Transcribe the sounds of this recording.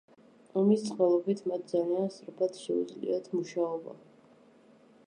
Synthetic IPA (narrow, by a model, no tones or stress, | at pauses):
ɔmist̪sʰχwvɛlˠɔpit̪ʰmat̪̚ʰd̪zaliansɾɔpʰat̪ʃɛṵd̪zlḭat̪ʰmuʃaɔba̰